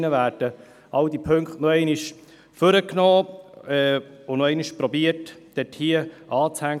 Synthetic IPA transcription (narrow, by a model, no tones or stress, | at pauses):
nəvæːɾd̥ə | ɑwdipʰɵŋkχtnɔɛɪniʃ | føɾəknɔːɛʊnɔɛɪniʃpɾɔbiətd̥ɛthiːəʔɑːt͡shæŋ